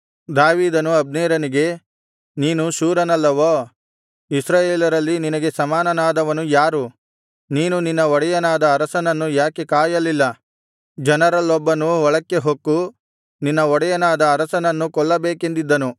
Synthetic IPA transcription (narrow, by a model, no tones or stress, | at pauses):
d̪aːʋiːd̪ɐnuɐb̚neːɾɐniɡe̞ | niːnuʃuːɾɐnɐlːɐʋoː | isɾaːjeːlɐɾɐlːininɐɡe̞sɐmaːnɐnaːd̪ɐʋɐnujaːɾu | niːnuninːɐɔɽɐjɐnaːd̪ɐːɾɐsɐnɐnːujaːkekaːjɐlilːɐ | d͡ʒɐnɐɾɐlːɔbːɐnuɔɭɐkːe̞ɦokːu | ninːɐɔɽɐjɐnaːd̪ɐːɾɐsɐnɐnːukɔɭːɐbeːke̞nd̪id̪ːɐnu